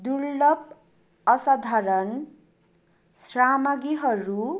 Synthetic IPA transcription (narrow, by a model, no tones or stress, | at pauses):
d̪uɾlʌb | ʌsad̪ʱaɾʌn | sramʌɡiɦʌɾu